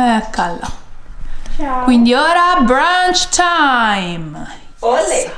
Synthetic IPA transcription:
ɛkalːa̰ | kwind̪ioːɾabɾant͡ʃt̪ʰajm

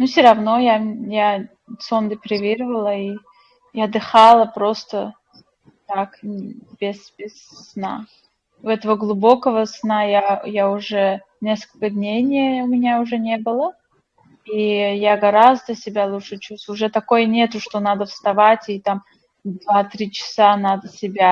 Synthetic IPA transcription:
nusʲɪɾɐvno̞jaja | sond̪ʲəpɾʲɪvʲiɾɨvəlˠəi | jɐd̪ɨxalˠəpɾost̪ə | t̪akbʲɪsbʲɪsːna̰ | ʊɛt̪əvəɡlˠʊbo̞kəvəsnajajaʊʐɛ | nʲeskəlʲkəd̪ʲnʲejnʲɪjəʊmʲɪnʲaʊʐɛnʲe̞bɨlˠə | ijaɡɐɾazd̪əsʲɪbʲalˠuʂɨt͡ɕust̪ʊʐɛt̪ɐko̞jnʲe̞t̪ʊʂt̪onad̪əfst̪ɐvatʲit̪am | d̪vat̪ɾʲit͡ɕɪ̥sanad̪əsʲɪbʲa

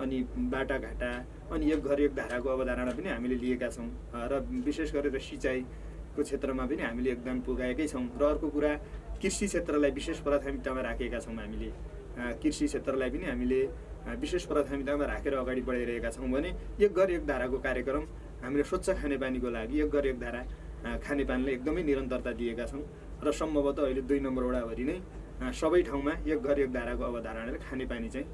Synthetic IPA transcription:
ʌnibaʈaɡʱaʈa | ʌniek̚ɡʱʌɾek̚d̪ʱaɾakoʌbʌd̪ʱaɾaɽ̃ap̬ʌniɦamileliekat͡sʰʌw̃ | rʌbisesɡʌɾeɾʌsit͡saj | kot͡sʰet̪rʌmapʌniɦamileːk̚d̪ʌmpuɡaekʌjt͡sʰʌw̃rʌːrkokuɾakirsit͡sʰet̪rʌlajbisespʌɾʌd̪ʰamit̪amaɾakʰekat͡sʰʌw̃ɦamile | kirsit͡sʰet̪rʌlajpʌniɦamile | bisesprɾʌt̪ʰamit̪amaɾakʰeɾʌːɡaɽibʌɽajɾʌɦekat͡sʰʌw̃bʱʌneek̚ɡʌɾek̚d̪ʱaɾakokaɾjʌkrʌm | ɦamileswʌt̪ːsʌkʰanepanikolaɡiek̚ɡʌɾjek̚d̪ʱaɾa | kʰanepanilajek̚d̪ʌmʌjniɾʌnt̪ʌrt̪ad̪ijekat͡sʰʌ̃w̃ | rʌsʌmbʱʌbʌt̪ːʌːɦiled̪ujnʌmbʌroɽabʱʌɾinʌj | sʌbʌjʈʰaw̃maek̚ɡʱʌɾjek̚d̪ʱaɾakoʌbʌd̪ʱaɾʌɽ̃akʰanepanit͡saĩ

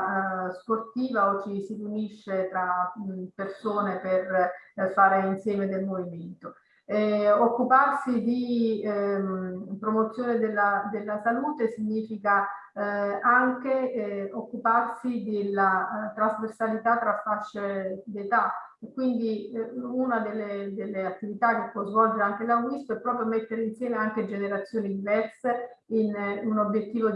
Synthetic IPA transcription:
sport̪iːvaot͡ʃːisiruniʃːet̪ɾapersoːneperfaːɾeinsjɛːmed̪elmoviment̪o | okːuparsid̪i | pɾomot̪sːjoːned̪elːad̪elːasaluːt̪esiɲːiːfika | aŋkeokːuparsid̪elːat̪ɾazversalit̪at̪ːɾafːaʃːed̪et̪a | ekːwind̪iunad̪elːed̪elːeat̪ːivit̪ak̟ːepːwɔzvɔld͡ʒeɾaŋkelaɡist̪oɛpːɾɔːpɾjomet̪ːeɾeinsjɛːmeaŋk̟ed͡ʒeneɾat̪sːjoːnid̪ivɛrse | inunobːjet̪ːiːvo

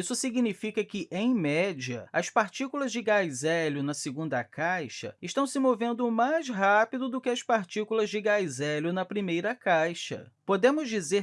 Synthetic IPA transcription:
isʊsiɡinifikɐkɪʔẽj̃mɛd͡ʒiɐɐspaɾt͡ʃikulɐzd͡ʒɪɡajzɛlʊnɐseɡũnd̪ɐkajʃɐ̰ɪʃt̪ɐ̃w̃sɪmovẽnd̪ʊmajzɦapid̪ʊd̪ʊkɪɐspaɾt͡ʃikulɐzd͡ʒɪɡajzɛlʊnɐpɾimejɾɐkajʃɐ̰pod̪ẽmʊzd͡ʒize

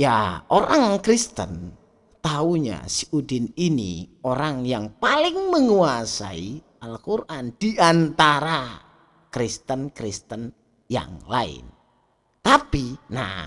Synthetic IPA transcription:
jaʔoɾaŋkɾist̪ə̰n | t̪auɲa̰siʔudɪninḭoɾaŋjaŋpalɪŋməŋuasa̰i | alkurʔand̥iʔant̪aɾa | kɾist̪ənkɾist̪ən | ja̰ŋla̰ɪ̰n | t̪apina̰

